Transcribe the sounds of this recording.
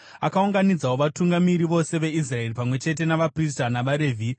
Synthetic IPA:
akauŋɡanid͡zawoʋatuŋɡamiɾiʋo̞se̞ʋe̞is̬rae̞ripamwe̞t͡ʃe̞te̞naʋapristanaʋaɾe̞ːvʱi

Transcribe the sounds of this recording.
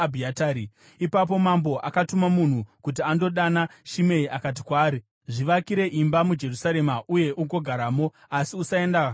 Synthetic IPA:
bʱiataːɾi | ipap̬o̞mambo̞ʔakatumamun̤ukutiando̞ɗanaʃime̞iʔakat̬ikwaːɾi | ʐiʋakiɾe̞ʔimbamud͡ʒe̞rusaɾe̞maʔuje̞ʔuŋɡo̞ɡʱaɾaːmo̞ | asiusae̞ndaka

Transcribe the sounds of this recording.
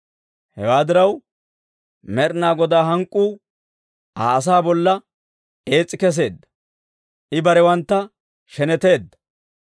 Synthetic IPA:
hɛwaːd̪ɪɾɐw | mɛɾnaːɡɔd̪aːɦɐŋkʼːuː | a̰ːɐs̬aːbɔlːɐ | e̞ːt͡sʼːɪkɛs̬e̞ːd̪ːɐ̥ | ʔɪbɐɾɛwɐnt̪ːɐ | ʃɛnɛt̪e̞ːd̪ːɐ̥

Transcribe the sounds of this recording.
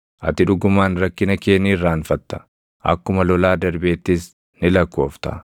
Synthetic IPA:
ʔɐ̰t̪ɪᶑʊɡʊmaːnɾɐkːɪnɐkeːniːrːaːnfɐt̪ːɐ̥ | ʔɐ̰kːʊmɐlɔlaːd̪ɐɾbe̞ːt̪ːɪs | nɪlɐkːo̞ːft̪ɐ̰

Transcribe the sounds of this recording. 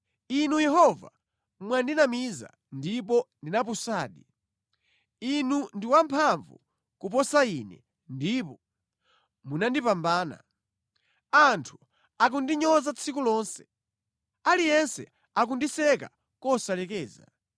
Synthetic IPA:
inujɛɦɔva̰ | mwandinamiza̰ | ndipɔndinap̬usaːɗi | inundiwampʰaɱvṵ | kup̬ɔsainɛ̰ | ndipɔ | munandipambaːna̰ | antʰu̥ | ak̬undiɲɔzat͡sʰikulɔːnsɛ̥ | alijɛnsɛ̰ | ak̬undisɛka̰ | kɔsalɛkɛːza

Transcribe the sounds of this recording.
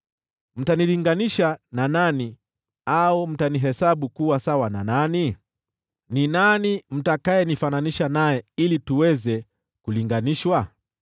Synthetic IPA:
m̩taniliŋɡaniʃananani | aum̩taniɦɛsaɓukuwasawana̰nani | ninanim̩takajɛnifananiʃanajɛilituwɛzɛ | kuliŋɡaniʃwa

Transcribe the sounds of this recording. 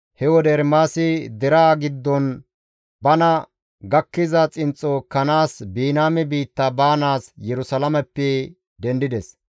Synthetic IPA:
hɛwɔd̪ɛɾmaːsɪd̪ɛɾaːɡɪd̪ːɔn | bɐnɐ | ɡɐkːɪzɐt͡sʼɪnt͡sʼːokɐnaːsbiːnaːmɛbiːt̪ːɐbaːnaːsjɛɾʊsɐlɐmɛpːɛ | d̪ɛnd̪ɪd̪ɛs

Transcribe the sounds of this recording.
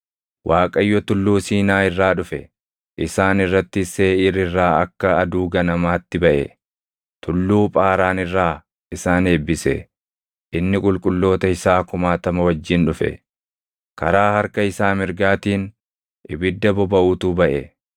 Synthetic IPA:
wʔaːkʼɐjːɔt̪ʊlːuːsiːnaːɪrːaːᶑʊfɛ | ʔɪsaːnɪrːɐt̪ːɪseːɪɾɪrːaːɐkːɐɐd̪uːɡɐnɐmaːt̪ːɪbɐʔɛ̰ | t̪ʰʊlːuːpʼaːɾaːnɪrːaː | ɪsaːne̞ːbːɪsɛ̰ | ʔɪnːɪkʼʊlkʼʊlːo̞ːt̪ɐɪsaːkʊmaːt̪ɐmɐwɐd͡ʒːɪnᶑʊfɛ̰ | kɐɾaːhɐɾkɐɪsaːmɪɾɡaːt̪iːn | ʔɪbɪd̪ːɐbɔbɐʔuːt̪ubɐʔɛ

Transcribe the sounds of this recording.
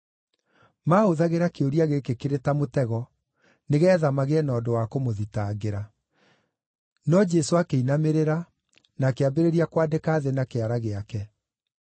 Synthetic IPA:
maːoðaɣeɾakeoɾiaɣekekeɾetamotɛɣɔ | neɣɛːðamaɣeɛnɔdowakomoðitaːɣeɾa | nɔd͡ʒɛsoakeinameɾeɾa | nakeabeɾeɾiakwadekaːðenakeaɾaɣeakɛ

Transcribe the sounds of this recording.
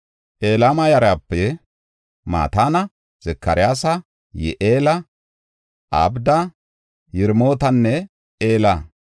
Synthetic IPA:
ʔe̞ːlaːmɐjɐɾɐapːɛ | ma̰ːt̪aːnɐ | z̥ɛkːɐɾɪjaːsɐ | jɛ̰ʔeːlɐ | ʔɐ̰bd̪ɐ | jɪɾmo̞ːt̪ɐnːɛ | ʔeːlɐ

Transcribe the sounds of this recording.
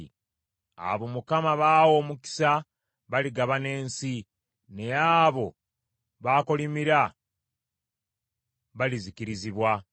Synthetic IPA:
a̰βo̞mukamaβaːwo̞muki̥sa | βaliɡaβane̞ːnsi | ne̞aːβo̞ | βaːkolimiɾa | βalizikiɾiziβwa

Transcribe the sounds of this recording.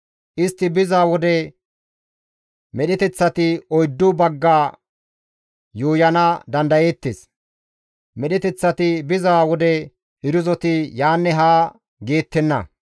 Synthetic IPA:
ʔɪst̪ːɪbɪzaːwɔd̪ɛ | mɛɗɛt̪ɛt͡sːɐt̪ɪɔjd̪ːʊbɐɡːaː | juːjɐnɐd̪ɐnd̪ɐjeːt̪ːes | mɛɗɛt̪ɛt͡sːɐt̪ɪbɪzaːwɔd̪ɛ | ɪɾʊzɔt̪ɪjaːnːɛɦaː | ɡe̞ːt̪ːɛnːɐ̰

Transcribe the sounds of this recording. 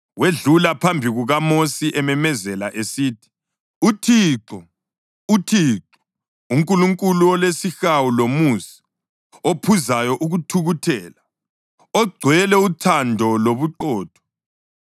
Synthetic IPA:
weɮulapʰambʱiɣuɣamosiʔɛmɛmɛzɛlaʔesiːtʰi̥ | utʰiːǁɔ | utʰiːǁɔ̥ | uŋkʼuluŋkʼuluɔlesixawulomusi̥ | opʰuzajɔʔuɣutʰuɣutʰɛːla | ɔɡ͡ǀʱwɛlɛutʰandʱɔloβuǃɔːd̥ʰʱɔ̥

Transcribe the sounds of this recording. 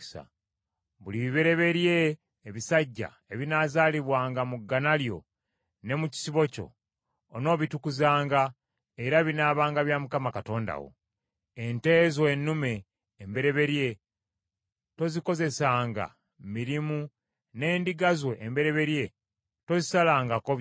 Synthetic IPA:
sa̰ | βuliβiβe̞ɾe̞βe̞ɾje̞ː | βisaɟːa̰ | e̞βinaːzaːliβwaːŋɡamuɡːanaljo̞̰ | ne̞muci̥siβo̞co̞̰ː | no̞ːβitukuzaːŋɡa | eɾaβinaːβaːŋɡaβjamukamakato̞ːnda̰wo̞̰ | ente̞ːzwenːume̞ː | mbe̞ɾe̞βe̞ɾje̞ | to̞ziko̞ze̞saːŋɡa̰ | miɾimu | ne̞ːndiɡazweʔːmbe̞ɾe̞βe̞ɾje̞ | to̞zisalaːŋɡako

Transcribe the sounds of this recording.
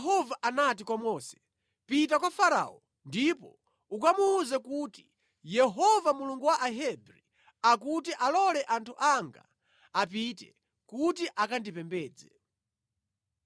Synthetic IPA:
ɛɦɔvaʔanatikwamɔsɛ̥ | pitakwafaɾa̰ːɔ | ndipɔ | ukamuːzɛkuti | jɛɦɔvamuluŋɡuwaʔaɦɛbɾi | akutiʔalɔlɛʔantʰuʔaŋɡa̰ | ap̬itɛ̰ | kutiʔakandipɛmbɛːd͡zɛ

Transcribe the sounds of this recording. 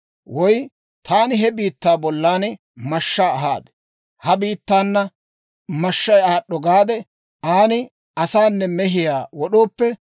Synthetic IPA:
wɔj | t̪ʰaːnɪɦɛbiːt̪ːaːbɔlːaːnɪ | mɐʃːaːɦaːd̪ɛ̥ | hɐbiːt̪ːaːnːɐ | mɐʃːɐjaːɗːɔɡaːd̪ɛ | aːnɪ | ɐsaːnːɛmɛɦɪjaːwɔɗo̞ːpːɛ

